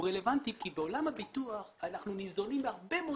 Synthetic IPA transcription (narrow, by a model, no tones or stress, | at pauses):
ʁelevant̪ikibeolamhabit̪uaχanaχnunizo̞nimbeaʁbemo